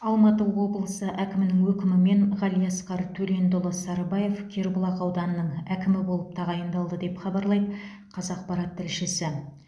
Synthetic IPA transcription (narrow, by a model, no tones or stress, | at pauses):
ɑlˠmɑt̪əo̞blˠəsəʔækʲɪmɪnɪŋwɵkʲɪmɪme̞ɴʁɑlijɑsqɑɾt̪ʰɵle̞nd̪ʊlˠəsɑɾbɑje̞fkʲʰe̞ɾbʊlˠɑqɑwd̪ɑnəːəɴækʲɪmɪbo̞lˠəp̚t̪ʰɑʁɑjənd̪ɑlˠd̪əd̪e̞pχɑbɑɾlˠɑjd̪ | qʰɑzɑq̚pɑɾɑt̪ʰːɪlʃɪsɪ